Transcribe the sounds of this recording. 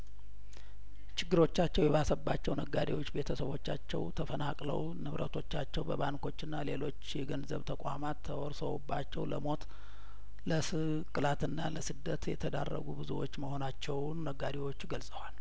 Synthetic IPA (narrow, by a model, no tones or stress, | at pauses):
t͡ʃɪɡːɨɾo̞t͡ʃːat͡ʃːɛwjɛβasəbːat͡ʃːɛwnəɡad̪ewo̞t͡ʃːbe̞t̪ʰəsəβo̞t͡ʃːat͡ʃːɛ̰wt̪ʰəfənakʼlə̰w | nɨβɾʔə̰t̪ʰo̞t͡ʃːat͡ʃːɛwbəβaŋko̞t͡ʃːɨnːale̞lo̞t͡ʃːjɛɡənzəβt̪ʰəkʼamat̪ʰːəwɔɾsəwubːat͡ʃːɛwləmo̞t̪ | ləsɨ | kʼɨlat̪ɨnːaləsɨd̪ːət̪jɛ̰t̪ʰəd̪a̰rːə̰ɡubɨzuwo̞̰t͡ʃːməho̞nat͡ʃːɛwnnəɡːad̪ewo̞t͡ʃːɡəlsʼəwal